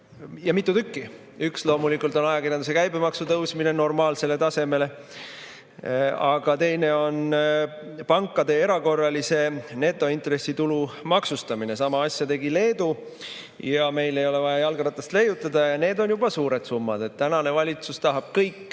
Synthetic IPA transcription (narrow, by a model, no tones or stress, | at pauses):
jɑmit̪ːˑut̪ykːi | ykslo̞ːmulikːˑult̪ˑo̞nɑjɑkiɾjɑnd̪use̞kæjbemɑksut̪ɤwsmine̞no̞rmɑːlse̞le̞t̪ɑse̞me̞le̞ | ɑɡ̥ɑt̪e̞jne̞o̞n | pɑŋkːˑɑd̪e̞e̞ɾɑko̞rːɑlise̞ne̞t̪ːˑo̞int̪re̞sit̪ulumɑksust̪ɑmine̞sɑmɑɑsʲjɑt̪e̞ɡile̞ːd̪u | jɑme̞jle̞jo̞le̞vɑjɑjɑlɡ̥ɑɾɑt̪ːˑɑst̪le̞jut̪ːˑɑd̪ɑjɑne̞ːd̪o̞njub̥ɑsuːɾe̞d̪̥sumːɑd̪̥e̞t̪t̪ːænɑne̞vɑlʲit̪sust̪ɑɦɑb̥̚kɤjkː